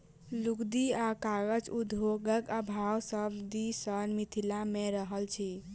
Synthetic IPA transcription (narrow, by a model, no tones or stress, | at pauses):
lukd̪iakaɡəd͡ʒud̪ʱoɡəkəbʱawsəbd̪isənmit̪ʰilameɾəɦəlt͡ʃʰi